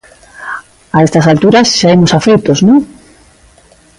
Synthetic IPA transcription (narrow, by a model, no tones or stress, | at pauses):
aest̪ɐsalt̪uɾɐsʃaemosafejt̪oznõŋ